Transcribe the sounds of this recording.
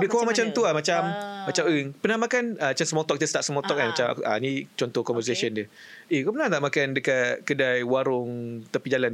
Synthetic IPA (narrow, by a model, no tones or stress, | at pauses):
biʔkowaŋmat͡ʃamt̪uamat͡ʃammat͡ʃaməpənahmakanaat͡ʃansəmɔt̪ɔk̚t̪əst̪aʔsəmɔt̪ɔk̚amat͡ʃama̰ʔa̰nit͡ʃɔnt̪ɔkɔmvəs̬asiəndəekɔpənãht̪aʔmakandəkat̪̚kədajwaɾʊŋt̪əpid͡ʒalan